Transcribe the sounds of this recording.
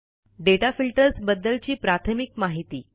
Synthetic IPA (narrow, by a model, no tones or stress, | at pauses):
ɖeʈafilʈəɾsbəd̪ːəlt͡ɕiːpɾat̪ʰəmikmaɦit̪ḭː